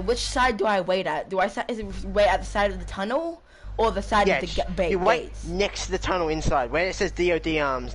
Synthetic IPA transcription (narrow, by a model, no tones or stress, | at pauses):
wɪt͡ʃsaɪdəaɪweɪɾɨt̚d̥əaɪsaʔɪzɨt̚weɪɾɨt̪̚ðəsaɪɾʌvðɨtʰʌnl̩ˠ | ə˞ðɨsaɪɾjʌvæðɨɡbeɪəweeɪtnɛkstʰəðɨtʰʌnl̩ˠɪ̃nsaɪd̚wəɪtsɛzdioʊdiɑːmz̥